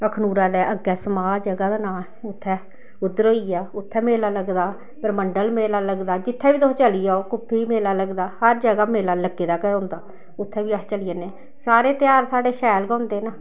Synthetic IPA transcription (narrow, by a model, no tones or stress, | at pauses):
əkʰnuːɾãːd̪ɛːʔəɡːɛːsəmaːd͡ʒəɡaːd̪aːnaː | ʊt̪ʰːɛ̃ː | ʊd̪ːəɾoːiːaːʊt̪ʰːɛ̃ːmeːlaːləɡd̪aː | pəɾməɳɖəlmeːlaːləɡd̪aːd͡ʒɪt̪ʰːɛ̃ːʋiːot͡ʃəlijaːoːkʊpʰːiːmeːlaːləɡd̪aːhəɾd͡ʒəɡaːmeːlaːləɡeːd̪aːkəʊ̃nd̪aː | ʊt̪ʰːɛːʋiːat͡ʃəlijaːneː | saːɾeːt̪ɪjaːɾsaːɖeːʃɛːlkãʊnd̪eːnaː